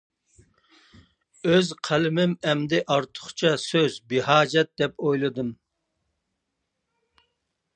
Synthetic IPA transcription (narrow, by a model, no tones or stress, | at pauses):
øzqʰælɪmɪmɛmd̪ɪʔɑɾt̪ʰʊ̥χt͡ʃʰɑsøzbɪhɑːd͡ʒɛt̪̚d̪ɛpojlˠɨd̪ɨm